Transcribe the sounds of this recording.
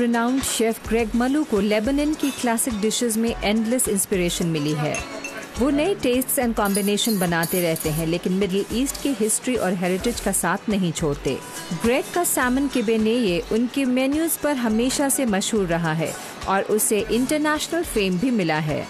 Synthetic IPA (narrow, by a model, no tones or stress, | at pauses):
pɾɪnãːʊ̃nɖʃeːfɡɾeːɡmɐlukolɛːbɪnə̃nkiklæːsɪk̚ɖɪʃɪzmẽʔɛ̃ːɳɖləsɪ̃nspɪɾeːʃənmɪliɦɛ̰ːʋoːnɐiʈeːsʈsɛ̃ːɳɖkãːmbɪneːʃənbɐnaːt̪eɾɛɦt̪eɦɛ̃leːkɪnmɪɖəlʔiːsʈkeɦɪsʈɾiʔɔːɾɦeːɾɪʈɪd͡ʒkasaːt̪ʰnɐɦĩt͡ʃʰoːɽt̪ḛː | ɡɾeːkːasɛːmənkɪbenejeʔʊnkemɛːnjuzpɐɾɦɐmeːʃasemɐʃɦuːɾːɐɦaɦɛ̰ː | ɔːɾʔʊseʔɪ̃ɳʈəɾnæːʃnəlfeːmbʱimɪlaɦɛ̰ː